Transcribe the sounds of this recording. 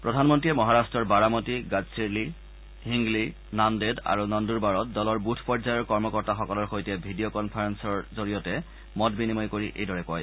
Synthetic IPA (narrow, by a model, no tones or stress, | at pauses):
pɹɔdʱanmɔntɹiɛmɔɦaɹastɹɔɹbaɹamɔtiɡad͡ʑsiɹli | ɦiŋɡli | nandeda̰ɹunɔnduɹbaɹɔt̚dɔlɔɹbutʰpɔɹzajɔɹkɔɹmɔkɔɹtaxɔkɔlɔɹxojtɛbʱidijokɔnpʰaɹɛnsɔɹzoɹijɔtɛ | mɔtbinimɔjkoɹiʔḛjdɔɹɛkɔj